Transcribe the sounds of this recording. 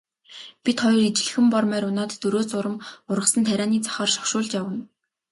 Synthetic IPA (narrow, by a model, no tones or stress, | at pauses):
pit̪χɔjɞ̆rit͡ɕɪ̆ɮɘ̆xɘ̆mpɔrmæːɾʊnaːt̪ːɵɾoːt͡sʊɾə̆mʊrʁə̆sə̆nt̪ʰæɾʲaːniːt͡sʰḁχɔːrʃɔ̥xʃʊːɮt͡ɕjawə̆n